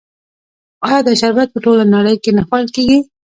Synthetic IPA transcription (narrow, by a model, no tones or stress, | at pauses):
ɑjɑd̪əʃaɾbat̪̚pəʈolanaɽəjkenaxwalkeɡi